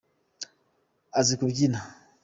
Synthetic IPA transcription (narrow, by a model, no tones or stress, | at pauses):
azikubɡina